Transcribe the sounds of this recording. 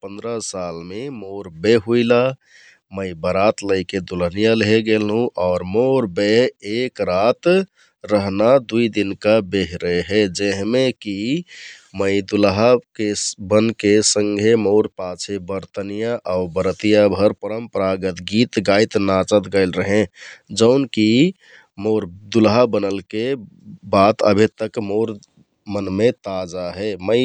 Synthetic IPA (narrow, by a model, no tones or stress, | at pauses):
pənd̪ɾəsalmemoɾbeɦuila | məɪbəɾat̪ləɪked̪ulənijalɦeɡelɦũʔɔːɾmoɾbeekɾat̪ | ɾəɦnad̪uid̪inkabeɦɾeɦed͡ʒeɦmeki | məɪd̪ulɦakebənkesə̃ŋɡʱemoʊɾpat͡ʃʰebəɾt̪ənijaʔaʊbəɾət̪ijabʱəɾpəɾəmpəɾaɡət̪ɡit̪ɡajt̪nat͡ʃət̪ɡəɪlɾəɦẽd͡ʒəʊnki | moɾd̪ulɦabənəlke | bat̪ə̰bʱit̪əkmoʊɾ | mənmet̪ad͡ʒaɦɛməɪ